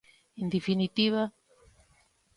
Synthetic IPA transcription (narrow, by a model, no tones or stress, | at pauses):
end̪efinit̪iβa